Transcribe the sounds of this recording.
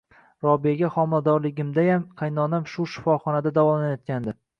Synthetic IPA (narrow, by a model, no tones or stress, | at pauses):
ɾɒbijaɡʲaχɒmɪlad̪ɒɾlɪɡʲɪmd̪ajamqʰajnɒnamʃʊʃɪ̥fɒχɒnad̪ad̪avɒlanajɒt̪̚kʲand̪ɪ